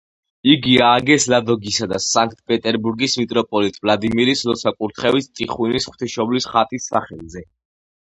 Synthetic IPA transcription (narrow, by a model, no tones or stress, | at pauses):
iɡiaːɡɛslad̪ɔɡisad̪asaŋk̚ʰt̪̚ʰpʼɛt̪ʼɛɾbuɾɡismit̪ʼɾɔpʼɔlit̪ʼvlˠad̪imiɾislɔsʰakʼuɾt̪ʰχɛvist̪ʼiχwinisχw̥t̪ʰiʃɔblisχat̪ʼisːaχɛlˠzɛ